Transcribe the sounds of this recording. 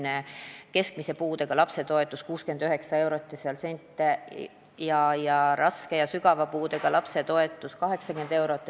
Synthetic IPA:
neke̞sk̚mise̞puːd̪̥e̞ɡ̥ɑlɑpse̞t̪o̞e̞t̪ˑːuskuːskyend̪yɦe̞ksɑe̞wɾo̞t̪ˑːiseɑlse̞nʲt̪ːˑe | jɑjɑɾʔɑske̞jɑsyɡɑvɑpuːd̪e̞ɡ̥ɑlɑpse̞t̪o̞e̞t̪ːˑuskɑɦe̞ksɑkyme̞nd̪̥e̞wɾo̞t̪ːˑ

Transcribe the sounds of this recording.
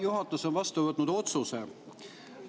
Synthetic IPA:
juɦɑt̪ːˑusonvɑst̪uvɤt̪ːnud̪o̞t̪suse

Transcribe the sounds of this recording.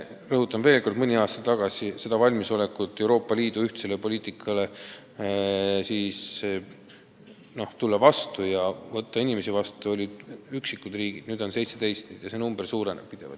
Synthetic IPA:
rɤɦut̪ːˑɑmve̞ːlko̞rd̪mɯnʲiɑːst̪ɑt̪t̪ːɑɡ̥ɑsise̞d̪̥ɑvɑlʲmiso̞le̞kːˑut̪ːe̞wɾo̞ːpːˑɑliːd̪̥uyht̪se̞lepo̞lʲiːt̪ˑikʰːˑɑle̞ | siːs | no̞ht̪ulːɑvɑst̪ujɑvɤt̪ːɑinimesivɑst̪uo̞lʲiyksikːˑud̪̥riːɡ̥id̪̥nyːd̪o̞nse̞jt̪se̞d̪e̞jst̪ned̪̥jɑsenumb̥ersuːɾe̞nḛb̥̚pːid̪̥e̞vɑ̰

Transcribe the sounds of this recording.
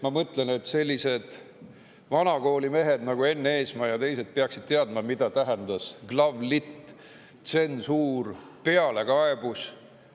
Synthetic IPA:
mɑmɤt̪ˑle̞net̪ːse̞lʲːise̞d̪̥ | vɑnɑko̞ːlime̞ɦe̞d̪nɑɡ̥ue̞nːee̞ːsmɑjɑt̪e̞jse̞d̪̥̚peɑksid̪̥̚t̪eɑd̪̚mɑmid̪̥ɑt̪æɦend̪̥ɑsɡlɑvlit̪ː | t̪se̞nsuːr | pe̞ɑle̞kɑeb̥us

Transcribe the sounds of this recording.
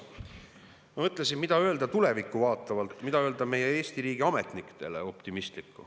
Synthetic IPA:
mɑmɤt̪ːˑlesinmid̪ɑø̞ld̪ɑt̪ule̞vikːˑuvɑːt̪ːˑɑvɑlt̪ːˑmid̪ɑø̞ːld̪ɑme̞jee̞ːst̪iɾiːɡ̥iɑme̞t̪nikt̪e̞̰le̞̰o̞pt̪imist̪likːˑu

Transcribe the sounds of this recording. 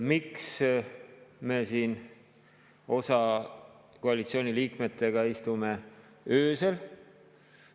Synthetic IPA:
miks | me̞siːn | o̞sɑ | koɑlit̪sio̞ːnʲiliːkme̞t̪ːˑe̞ɡ̥ɑist̪ume̞ | øːsel

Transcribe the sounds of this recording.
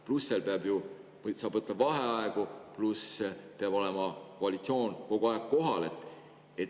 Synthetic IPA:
plusːe̞lpe̞ɑbju | sɑːb̥vɤt̪ːˑɑvɑɦeɑeɡupluspe̞ɑb̥o̞le̞mɑkoɑlit̪sio̞ːnko̞ɡuɑeɡ̥̚ko̞ɦɑle̞t̪ːˑ | et̪

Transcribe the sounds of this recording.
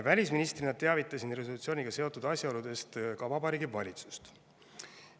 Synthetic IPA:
vælʲisminist̪rinɑd̪̚t̪e̞ɑvit̪ːˑɑsinre̞so̞lut̪sio̞ːnʲiɡ̥ɑse̞o̞t̪ːˑud̪ɑsʲjɑo̞lud̪̥e̞st̪kɑvɑbɑɾiːɡivɑ̰lʲit̪su̥st̪

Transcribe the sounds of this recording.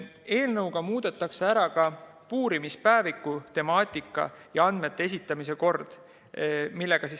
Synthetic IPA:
e̞ːlnɤwɡ̥ɑmuːd̪̥e̞t̪ːˑɑkseæɾɑkɑ | puːɾimispæevikːut̪e̞mɑːt̪ˑikːˑɑ̰jɑɑnd̪̥me̞t̪ːˑe̞e̞s̬it̪ːˑɑmis̬e̞ko̞rd̪̥ | milːe̞ɡ̥ɑsis

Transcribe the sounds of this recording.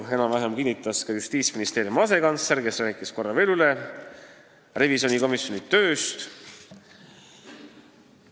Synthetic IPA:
e̞nɑmvæɦemkinʲːit̪ːˑɑskɑjust̪iːt̪sminist̪e̞ːɾjumɑse̞kɑnseɾke̞sræːkˑisko̞rːɑve̞lule̞ | re̞visio̞niko̞misjo̞nit̪ø̞ːst̪

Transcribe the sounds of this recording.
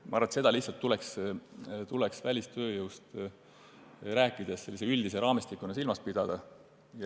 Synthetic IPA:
mɑ̰ɑɾrvɑt̪se̞d̪ɑlihsɑlt̪ːuleks | t̪uleksvælʲist̪ø̞ːjɨwst̪ | ɾæːkːˑid̪̥esse̞lːiseyld̪̥is̬eɾɑːmist̪ikːˑunɑsilmɑspid̪̥ɑd̪̥ɑ | j

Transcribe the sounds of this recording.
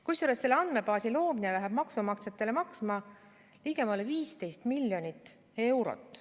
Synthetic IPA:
kujsuɾestːse̞lːeɑnd̪me̞pɑːsilo̞ːminelæɦɛb̥mɑksumɑkset̪ːˑe̞lemɑksmɑ | liɡ̥e̞mɑleviːst̪e̞jst̪milʲjo̞nʲit̪ː | e̞wɾo̰t̪ːˑ

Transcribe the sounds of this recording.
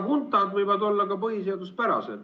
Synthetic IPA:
kunt̪ːˑɑd̪vɤjvɑd̪o̞lːɑkɑpɤɦis̬eɑd̪uspæɾɑ̰sḛl

